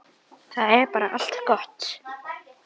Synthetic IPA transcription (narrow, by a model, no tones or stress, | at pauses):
θaɛɾpaːɾaʔal̥t̪kɔht̪